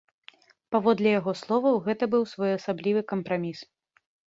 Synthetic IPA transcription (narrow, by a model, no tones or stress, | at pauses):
pavɔd̪lʲɛjaɣɔslˠɔvɐwɣɛt̪ɐbɨwsvɔjɐsablʲivɨkɐmpɾamʲis